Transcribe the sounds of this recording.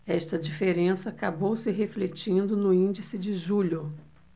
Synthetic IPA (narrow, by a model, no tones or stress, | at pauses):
ɛʃt̪ɐd͡ʒifeɾẽsɐːkabowsɪɦeflet͡ʃĩnd̪ʊnʊĩnd͡ʒisɪd͡ʒɪʒuʎʊ